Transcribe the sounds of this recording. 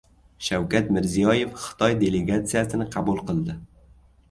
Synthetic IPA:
ʃawkʲat̪mɪɾzijɒje̞fχɨ̥t̪ʰɒjd̪e̞le̞ɡat̪sijasɪnɪqʰɑbulˠqɨlˠd̪ɪ

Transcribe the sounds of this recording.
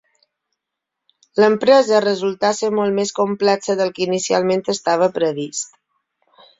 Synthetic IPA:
ləmpɾɛzərəzulˠt̪aseɾmolˠt̪meskumplɛksəðəlˠkinisia̰lˠment̪əst̪aβ̞əpɾəβ̞ist̪

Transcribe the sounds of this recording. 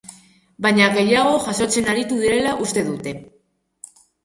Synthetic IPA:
baɲaɣe̞jaɣ̞o̞ʝaso̞t͡se̞naɾit̪uðiɾe̞laʔust̪e̞ðut̪e̞

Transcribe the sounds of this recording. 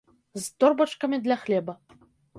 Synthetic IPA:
zt̪ɔrbɐt͡ʂkɐmʲid̪lʲaxlʲɛbɐ

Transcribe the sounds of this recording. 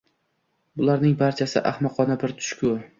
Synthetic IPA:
bʊlaɾnɪŋbaɾt͡ʃʰasɪ̰ʔa̰hmɒqʰɒnabɪɾt̪ʰʊ̥ʃkʰʲʊ

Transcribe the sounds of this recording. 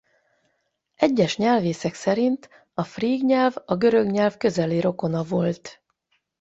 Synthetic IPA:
ɛɟːɛʃɲɛlveːsɛksɛɾint̪ | ɒfriːɡɲɛlvɒɡø̞ɾø̞ɡɲɛlvkø̞zɛliɾo̞ko̞nɒvo̞lt̪

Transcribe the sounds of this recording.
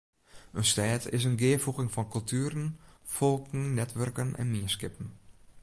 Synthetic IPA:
ønstɛːtɪ̰s̬ənɡɪəfuxɪŋfɔnkɵlˠtʰyːɾənfolˠkŋ̩nɛtʋørkənʔɛ̰nmiəskɪpn̩

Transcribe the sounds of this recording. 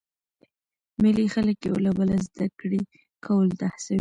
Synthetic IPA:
mɪlixaləkjewolabalazd̪akɽe | kʰawəld̪ahsawi

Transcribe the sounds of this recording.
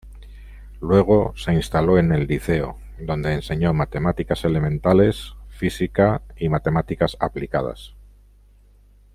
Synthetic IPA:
lwe̞ɣ̞o̞se̞inst̪alo̞e̞ne̞lːiθe̞o̰ | d̪o̞nd̪e̞ːnse̞ɲo̞mat̪e̞mat̪ikase̞le̞mẽ̞nt̪ale̞sfisikaimat̪e̞mat̪ikasaplikað̞a̰s

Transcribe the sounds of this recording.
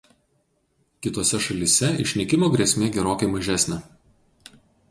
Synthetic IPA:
kʲɪt̪oːsʲɛʃɐlʲɪsʲɛɪ̰ʃʲnʲɛkʲɪmoːɡɾʲeːsʲmʲeːɡʲɛɾoːkɐɪmɐʒʲæsʲnʲe

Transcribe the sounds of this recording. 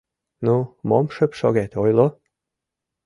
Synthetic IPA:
numomʃə̆pʃoɣæt̪ojlˠo

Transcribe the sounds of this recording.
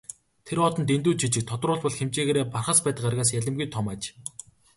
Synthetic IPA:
t̪ʰeɾɔt̪ɞ̆nt̪ent̪uːt͡ɕʰit͡ɕɪ̆k̚t̪ʰɔt̪rʊːɮpɔɮxemt͡ɕeːɣeːɾeːparχə̆spæːt̪ə̆qarɣaːs̬jæɮʲə̆mɡujt̪ʰɔmaːt͡ɕ

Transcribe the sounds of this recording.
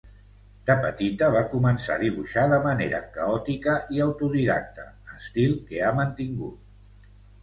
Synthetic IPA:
d̪̥əpət̪it̪əβ̞akumənsa̰ðiβ̞uʃaðəməneɾə̰kəɔt̪ikəʔiəwt̪uðiða̰k̚t̪ə | əst̪ilˠkeamənt̪iŋɡut̪̚

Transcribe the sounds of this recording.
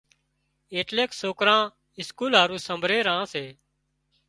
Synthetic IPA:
eːʈleːksoːkɾãː | ɪskuːlaːɾũːsəmbʱɾeːɾãːseː

